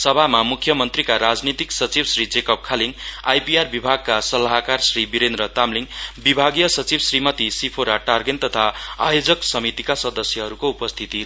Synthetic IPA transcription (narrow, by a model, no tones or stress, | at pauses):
sʌbʱamamukʰːjʌmʌnt̪rikaɾad͡znit̪iksʌt͡sibsrid͡zekʌp̚kʰaliŋajpiarbibʱaɡ̚kasʌlaɦkarsribiɾend̪ɾʌt̪amliŋbibʱaɡjʌsʌt͡sibsrimʌt̪isipʰoɾaʈarɡent̪ʌt̪ʰaa̰jod͡zʌksʌmit̪ikasʌd̪ʌsjʌɦʌɾukoupʌst̪ʰit̪i